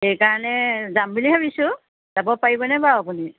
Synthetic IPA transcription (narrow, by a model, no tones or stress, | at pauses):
xejkaɹɔnɛzambiliɦabisʊ̃ | z̥abɔpaɹibɔnɛbaapuni